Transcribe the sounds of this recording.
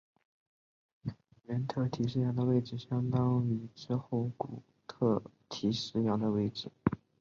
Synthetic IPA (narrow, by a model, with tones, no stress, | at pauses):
ɥɛ˧˥nt̪ʰɤ˥˩t̪ʰi˧˥ʂ̬ɻ̩˥jɑ˧˥ŋd̪ə˧we˥˩ɪʈ͡ʂɻ̩˨˩ɕjɑ˥ŋt̪ɑ˥ŋy˧˥˩ʈ͡ʂɻ̩˥˧xo˥˩ʊku˨˩ | t̪ʰɤ˥˩t̪ʰi˧˥ʂɻ̩˥˩jɑ˧˥ŋd̪ə˧we˥ɪʈ͡ʂɻ̩˨˩˦